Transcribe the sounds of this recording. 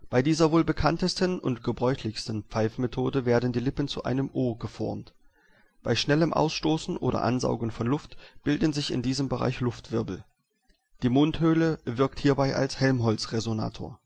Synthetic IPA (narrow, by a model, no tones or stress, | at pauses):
b̥aɪdiːzɐvoːlbəkʰantəstənʊntɡ̥əbʁɔʏçlɪçstən̩pp͡faɪfmetʰoːdəveːɐdn̩diːlɪpn̩t͡suʔa̰ɪnəmʔoːɐɡəfɔ̰ɐmt | b̥aɪʃnɛləmʔa̰ʊsʃtoːsn̩ʔo̰ːdɐ̰ʔa̰nza̰ʊɡəŋ̩fɔnlʊftb̥ɪldn̩zɪçɪ̰ndiːzəmbəʁa̰ɪçlʊftv̥ɪɐbl̩ | d̥iːmonthøːləvɪɐk̚thiːɐbaɪʔa̰lshɛlmɦɔlt͡sʁezona̰ːtʰo̰ːɐ